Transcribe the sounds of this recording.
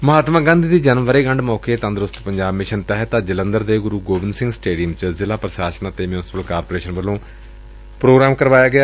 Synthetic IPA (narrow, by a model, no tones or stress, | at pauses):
məɦaːt̪mãːɡãːnd̪iːd̪iːd͡ʒənmʋəɾeːɡəɳɖmɔːkeːt̪ə̃nd̪ɾʊst̪pəɲd͡ʒaːbmɪʃənt̪ɛɦt̪aːd͡ʒələ̃nd̪əɾd̪eːɡʊɾuːɡoːʋɪnsɪ̃ŋɡsʈeːɖijəmt͡ʃəzɪlaːpɾəʃaːʃənat̪eːmjʊnɪsɪ̥pəlkaːɾpoːɾeːʃənʋəlːõː | pɾoːɡɾaːmkəɾʋaːjaːɡɪaː